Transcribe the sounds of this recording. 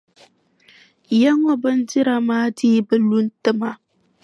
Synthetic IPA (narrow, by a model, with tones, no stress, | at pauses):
ja˦ŋɔ˨bɨ˦nd͡ʒɪ˦ɾa˨maː˦diː˦bɨ˨lu˦ntɨ˦ma˨